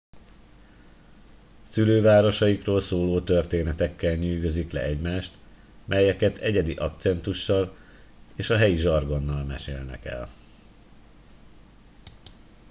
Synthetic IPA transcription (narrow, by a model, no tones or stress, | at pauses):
syløːvaːɾo̞ʃɒjikroːlsoːloːt̪ørt̪eːnɛt̪ɛkːɛlɲyːɡø̞ziklɛ̰ɛɟmaːʃt̪ | mʔɛjɛkɛt̪ʰɛɟɛd̪iʔɒkt̪sɛnt̪uʃːɒl | eːʃɒɦɛjiʒɒrɡo̞nːɒlmɛʃḛːlnɛ̰kɛ̰l